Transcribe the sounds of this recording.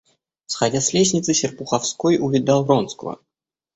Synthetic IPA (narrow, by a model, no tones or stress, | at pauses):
sxɐdʲasʲlʲesʲnʲɪt̪sɨsʲɪrpʊxɐfskojʔʊvʲɪd̪ɑlˠronskvə̰